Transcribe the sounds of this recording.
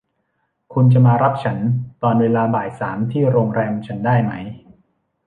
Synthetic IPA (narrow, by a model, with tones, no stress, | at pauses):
kʰu˧nt͡ɕa˨˩maː˧ɾa˦˥p̚t͡ɕʰa˦˥nt̪ɔː˧nweː˧laː˧baː˨˩j̚saː˩˦mt̪ʰiː˥˩ɾoː˧ŋɾɛː˧mt͡ɕʰa˦˥ndaː˥˩jma˦˥j